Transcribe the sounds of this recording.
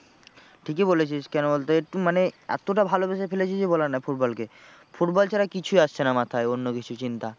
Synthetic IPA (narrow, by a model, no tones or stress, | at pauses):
ʈʰikebolet͡ɕʰiʃkɛnobolt̪oeʈumaneɛ̰t̪oʈ̬abʱalobeʃefelet͡ɕʰid͡ʑebolanajfuʈ̚bɔlke | fuʈbɔlt͡ɕaɾakit͡ɕʰuiaʃt͡ɕʰenamat̪ʰaeonːokit͡ɕʰut͡ɕint̪a